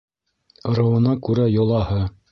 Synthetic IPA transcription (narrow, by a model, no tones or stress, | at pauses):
ŏɾɑ̆wɤ̆nɑkʉɾæjŏlˠɑhɤ